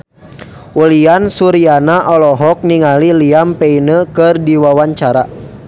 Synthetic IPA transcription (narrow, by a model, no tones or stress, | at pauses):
uliansuɾianaʔɔlɔɦɔk̚niŋaliliampɛinəkɨrdiwawaɲt͡ʃaɾa